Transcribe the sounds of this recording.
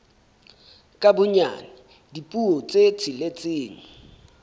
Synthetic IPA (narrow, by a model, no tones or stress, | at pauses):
kʼabʊɲa̰nɪ | dipʼuɔt͡sʼet͡sʰɪlet͡sʼɪːŋ̩